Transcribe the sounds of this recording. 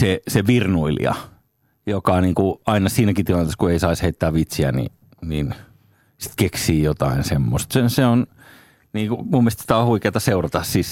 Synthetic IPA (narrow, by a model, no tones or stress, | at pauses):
seseʋirnuilḭɑ̰ | jokɑniːŋkuɑinɑsiːnækit̪ilɑnt̪eːˑskueisɑisheit̪ːæːʋʋit̪siæ̰nḭ | nin | si̥t̪keksiːjot̪ɑinsemːo̰st̪senseon | niːŋkumumːiest̪si̥t̪æohuikeit̪ɑseurɑt̪ɑssis